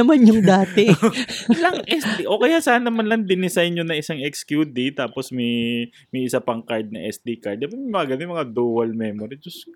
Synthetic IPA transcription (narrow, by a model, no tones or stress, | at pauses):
ɐmanjʊŋd̪aːt̪ɛ | lɐŋʔɛsd̪iʔokɐjasaːnːɐmanlɐŋd̪ɪnɪsajnɲonɐʔɪsaŋɛkskjud̪it̪aːposmɐj | mɐjʔɪsapɐŋkaɹd̪̚nɐ̰ʔɛsd̪ikaɹd̪ɐpɐmɐŋaɡɐnomɐŋad̪uːwɐlmɛmoɾɪd͡ʒʊsk